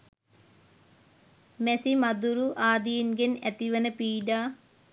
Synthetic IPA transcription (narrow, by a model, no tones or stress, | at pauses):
mesimɐd̪uɾuʔaːd̪ijinɡɐnḛt̪iʋɐnɐpiːɖaː